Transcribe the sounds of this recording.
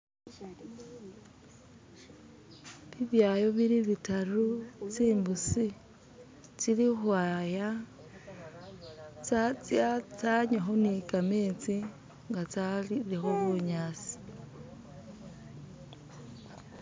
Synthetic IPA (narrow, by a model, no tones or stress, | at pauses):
βiβjaːjo̞βiɾiβitarut͡siːmbusi | t͡silixwaːja | t͡sat͡saɲwaxo̞nikameːt͡si | ŋɡat͡saiɾixoβuɲaːsi̥